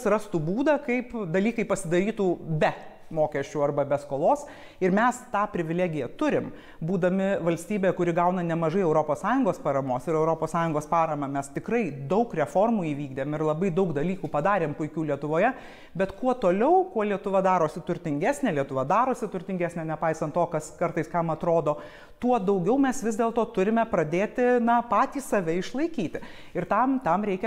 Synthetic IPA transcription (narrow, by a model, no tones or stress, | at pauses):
srɐst̪uːbuːd̪ɐkɐɪpd̪ɐlʲiːkɐɪpɐsʲɪd̪ɐɾʲiːt̪uːbʲɛ | moːkʲɛʃʲt͡ʃʲuːɐrbɐbʲɛskoːlˠoːs | ɪɾmʲɛst̪ɑːpʲɾʲɪʋʲɪlʲæːɡʲɪjɛt̪ʊɾʲɪm | buːd̪ɐmʲɪʋɐlʲsʲt̪ʲiːbʲeːjɛkʊɾʲɪɡɐʊnɐnʲɛmɐʒɐɪɛʊɾopoːssɑːjʊŋɡoːspɐɾɐmoːsɪɾɛʊɾoːpoːssɑːjʊŋɡoːspɑːɾɐmɐmʲɛst̪ʲɪkrɐɪd̪ɐʊkrʲɛfoːrmuːiːʋʲiːɡd̪ʲemɪrlˠɐbɐɪd̪ɐʊkd̪ɐlʲiːkuːpɐd̪ɑːɾʲeːmpʊɪkʲuːlʲiɛt̪ʊʋoːjɛ | bʲɛt̪kuɔt̪oːlʲɛʊkuɔlʲiɛt̪ʊʋɐd̪ɑːɾoːsʲɪt̪ʊɾʲt̪ʲɪŋʲɡʲæːsʲnʲeːlʲiɛt̪ʊʋɐd̪ɑːɾoːsʲɪt̪ʊɾʲt̪ʲɪŋʲɡʲæːsʲnʲɛnʲɛpɐɪsɐnt̪t̪oːkɐskɐɾt̪ɐɪskɐmɐt̪ɾoːd̪oː | t̪uɔd̪ɐʊɡʲɛʊmʲɛsʋʲɪzʲd̪ʲeːlˠt̪oːt̪ʊɾʲɪmʲɛpɾɐd̪ʲeːt̪ʲɪnɐpɑːt̪ʲiːssɐʋʲɛɪʃlˠɐɪkʲiːt̪ʲɪ | ɪrt̪ɐmt̪ɐmɾʲɛɪkʲɛ